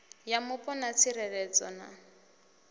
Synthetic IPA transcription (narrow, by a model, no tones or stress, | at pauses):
jamʊpʼɔnat͡sʰirɛlɛt͡sɔna̰